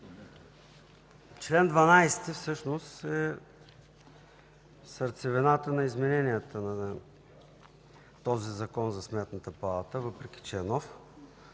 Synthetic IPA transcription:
t͡ʃlɛnd̪vɐnajst̪ifsɤʃnost̪ɛ | səɾt̪sɛvɛnat̪ənɐizmɛnɛniət̪ənɐ | t̪ɔzizɐkɔnzɐsmɛt̪nət̪əpɐlˠat̪əvɤpɾɛk̟ʲi̥t͡ʃɛɛnɔf

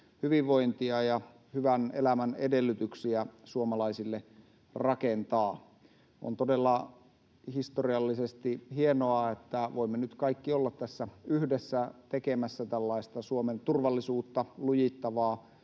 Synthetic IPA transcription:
hyʋiʋʋoint̪iɑjɑ | hyʋænelæmænedelːyt̪yksiæsuomɑlɑisilːe | rɑkent̪ɑː | ʔo̰nt̪odelːɑ | hist̪oriɑlːisest̪ihienoɑet̪ːæʋoimːenyt̪kɑikːiolːɑt̪t̪æsːæyhdesːæt̪ekemæsːæt̪ælːɑist̪ɑsuoment̪urʋɑlːisuːt̪ːɑlujit̪ːɑʋɑː

